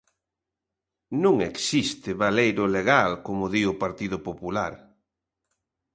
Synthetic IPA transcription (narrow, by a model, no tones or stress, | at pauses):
nũŋeksist̪ɪβalejɾʊleɣalkomʊðiʊpaɾt̪iðʊpopula̰ɾ